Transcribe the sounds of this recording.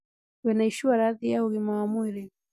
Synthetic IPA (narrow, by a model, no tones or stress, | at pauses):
wɛnaiʃiwaɾaðijauɣimawamuɾɛ